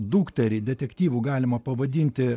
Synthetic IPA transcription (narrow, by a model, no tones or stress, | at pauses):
d̪uːkt̪ʲɛɾʲɛd̪ʲɛt̪ʲɛkʲt̪ʲiːʋuːɡɑːlʲɪmɐpɐʋɐd̪ʲiːnʲt̪ʲɪ